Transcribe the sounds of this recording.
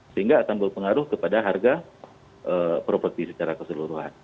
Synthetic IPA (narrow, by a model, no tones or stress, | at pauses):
səhiŋɡaːkanbəlpəŋaɾʊhkəpadaɦarɡa | ʔəpɾofət̪isət͡ʃaɾakəsəluɾuɦa̰n